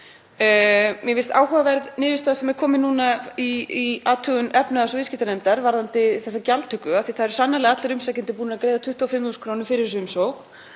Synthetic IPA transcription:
mjɛvɪst̪a̰ːwɦavavɛɾðnɪːðɪst̪aːsɛmɛɾ̥kʰɔːmɪnuːnaiiaːt̪ʰœːɣʏnɛpnaðasɔvɪscit̪anɛjmt̪aɾvaɾðant̪ɪθɛsːacalt̪ʰʏkːʏaθiθaðɛɾ̥sanːalɛɣaat̪laɾʏmsajcɪnt̪ɪpuːnaakɾeːjðat̪ʰʏht̪uawfɪmuːskʰɾoːwnʏfɪɾɪɾsʏmsowx

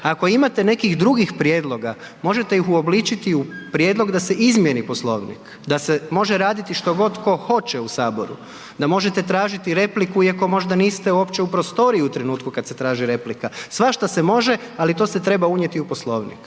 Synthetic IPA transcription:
ako̞imat̪e̞ne̞kixd̪ɾuɡixpɾjeːd̪lˠo̞ɡa | mo̞ʒet̪e̞jixuo̞blit͡ʃit̪iupɾje̞ːd̪lˠo̞ɡd̪ase̞ʔizmje̞nipo̞slˠo̞̰ʋnḭk | d̪asemo̞ʒeɾaːd̪it̪iʃt̪o̞ɡo̞d̪ko̞xo̞t͡ʃeusaːbo̞ɾṵ | d̪amo̞ʒet̪e̞t̪ɾaːʒit̪iɾe̞plikuiako̞mo̞ʒd̪aniːst̪euo̞pt͡ɕeupɾo̞st̪o̞ɾiiut̪ɾenuːt̪kukad̪se̞t̪ɾaːʒiɾe̞plikasʋaʃt̪asemo̞ʒe | alit̪o̞set̪ɾe̞bauɲjet̪iupo̞slˠo̞ʋnḭk

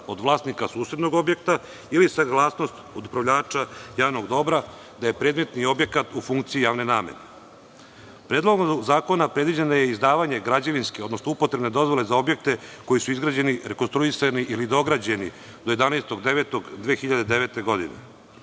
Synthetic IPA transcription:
o̞d̪ʋlˠaːsnikasuːsɾed̪no̞ɡo̞bje̞k̚t̪a | ilisaɡlˠaːsno̞st̪od̪upɾaʋʎaːt͡ʃajaːʋnoɡd̪o̞bɾa | d̪aje̞pɾe̞ːd̪me̞t̪nio̞bje̞kat̪ufuŋkt̪siijaːʋne̞naːmḛne | pɾeːd̪lˠoɡozaːko̞napɾed̪ʋid͡ʑanaje̞izd̪aːʋaɲe̞ɡɾad͡ʑaʋinskeo̞d̪nosnoupo̞t̪ɾe̞bne̞d̪o̞zʋo̞le̞zao̞bjek̚t̪e̞ko̞jisuizɡɾaːd͡ʑe̞niɾe̞konst̪ɾuisaniʔilid̪o̞ɡɾad͡ʑe̞ni | d̪oje̞d̪anaest̪o̞ɡd̪eʋeːt̪oɡd̪ʋeːxiʎad̪ed̪eʋeːt̪e̞ɡo̞d̪inḛ

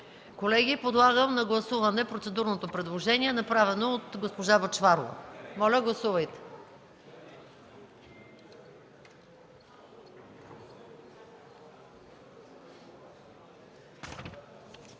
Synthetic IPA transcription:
kolɛɡʲipod̪lˠaɡəmnɐɡlˠɐsuvɐnɛpɾot̪sɛd̪uɾnot̪opɾɛd̪lˠoʒɛniɛnɐpɾavɛnoːt̪ɡospoʒavɐt͡ʃvaɾlˠo̰mɔlʲəɡlˠɐsuvɐjt̪ɛ̥

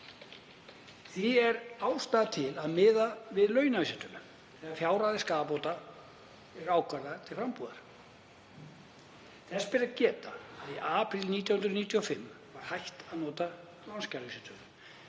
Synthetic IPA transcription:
θiɛɾaːwst̪aːðt̪ʰɪlaðmɪːðavɪðlœːɥnavisɛt̪ʏnʏ | θɛːɣafjaːwɾaðɪskapoːwt̪a | ɛɾaːwkvaɾðat̪ʰɪlrampuːða̰ɾ̥ | θɛspɪɾacɛːt̪aːðiʔaːpɾilniːt̪̬jawhʏnd̪ɾniːt̪ʰjɔfɪmː | vaɾ̥hajht̪aðnɔːt̪a | lɔnscaɾvisɪt̪ʏn

